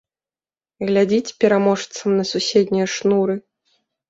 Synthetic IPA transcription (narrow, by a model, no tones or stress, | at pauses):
ɣlʲad͡zʲit͡sʲpʲɛɾamɔʂt̪sɐmnɐsusʲed̪ʲnʲijɐʂnuɾɨ